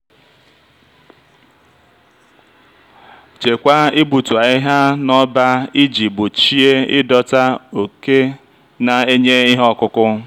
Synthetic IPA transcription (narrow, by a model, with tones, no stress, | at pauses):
t͡ʃe˨kʷa˦ɪ˦bu˨tu˨a˨i˦ɦa˦nɔ˦ba˦i˦d͡ʒi˨bʊ˨t͡ʃi˦e˦ɪ˦dɔ˦ta˦o˨ke˦ | na˨e˦ɲe˦i˦ɦɔ˦kʊ˦kʊ˦